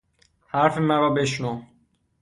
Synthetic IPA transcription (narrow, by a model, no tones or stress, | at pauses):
hæɾfemæɾɒːbeʃnu